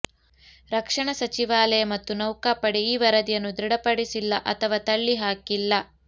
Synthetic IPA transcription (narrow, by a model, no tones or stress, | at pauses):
ɾɐkʂɐɳɐsɐt͡ʃiʋaːlɐjɐmɐt̪ːunɐwkaːpɐɽiiːʋɐɾɐd̪ijɐnːud̪ɾiɽɐpɐɽisilːɐʔɐt̪ʰɐʋaːt̪ɐɭːiɦaːkilːɐ